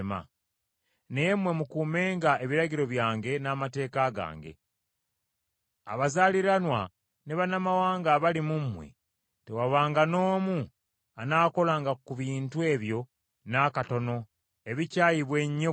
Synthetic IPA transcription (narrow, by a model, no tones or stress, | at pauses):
ma̰ | nejmwe̞mukuːme̞ːŋɡae̞βiɾaɟiɾo̞βjaːŋɡe̞naːmate̞ːkaɡa̰ːŋɡe̞̰ | a̰βazaːliɾanwa | neβanamawaːŋɡaβalimumːwḛ | tewaβaːŋɡano̞ːmu | anaːko̞laːŋɡakuβiːntue̞ːβjo̞ | nakato̞no̞ | e̞βicaːjiβwe̞ɲːo